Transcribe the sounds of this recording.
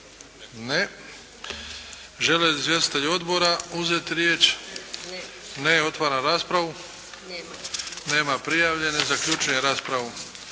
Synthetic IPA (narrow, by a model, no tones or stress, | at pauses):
ne | ʒe̞leizʋje̞st̪i̥t̪eʎo̞d̪bo̞ɾauzet̪iɾjeːt͡ʃ | neo̞t̪ʋaːɾanɾaːspɾaʋu | ne̞ːmapɾijaːʋʎe̞ne̞zakʎut͡ʃuɲeɾaːspɾaʋu